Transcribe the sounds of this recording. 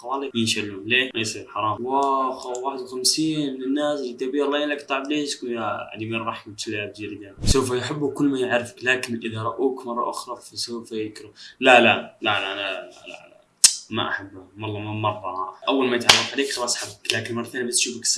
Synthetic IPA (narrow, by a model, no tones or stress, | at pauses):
wɑːlijənʃalːulemajsˤiɾħɑɾˤɑːmwaxwaːħəd̪wxamsiːnmɪnɪnːaːslit̪abilːɑjalːakt̪ˤːɑʕbliːʃkunaʕa̰d̪imiɾːˤɑħkt̪lːb̚d͡ʒ̪iɾid̪ansawfjħabːʊkʊlːmajaʕɾɪfəklaːkɪnʔɪðaɾˤɑʔuːkmɑrˤːɑ̰ʔʊxɾˤɑfasafjkɾulalalalaʔnala̰ | ma̰ʔa̰ħabːmɑlˤːɑmmɑrˤːɑʔawːalmajət̪ʕarˤːɑfʕaliːkxɑlɑsˤħabːəklaːkɪnmɑrˤɑt̪aːnjæbast̪ʃuːfəks